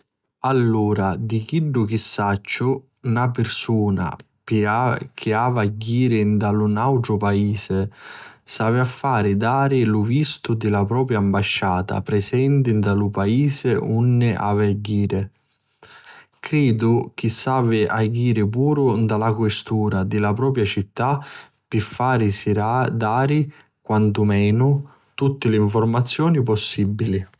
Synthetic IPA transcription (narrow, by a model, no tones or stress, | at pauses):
alːuːɾad̪ik̟iɖːʊk̟ɪsːat͡ʃːʊ | napɪɾsuːna̰ | pɪakʰɪaːvaɟːiːɾɪnd̪alʊnawʈ̪ɾʊpaiːsɪsaːvɪafːaːɾɪd̪aːɾɪlʊvist̪ʊd̪ɪlapɾɔːpɾjaːmbaʃːaːt̪a̰pɾɛsɛnt̪̬ɪnd̪alʊpaiːzɪunːɪʔa̰vaɡiːɾɪ | kɾiːd̪ʊk̟isːaːvɪʔaɡiːɾɪp̬uːɾʊnd̪alakwɪst̪uːɾad̪ɪlapɾɔːp̬ɾjat͡ʃit̪ːa | pɪfːaːɾɪsiad̪aːɾɪ | kwant̪ʊmɛːnʊ | t̪ut̪ːɪlɪiɱfɔrmat̪sːjɔːnip̬ɔsːibːili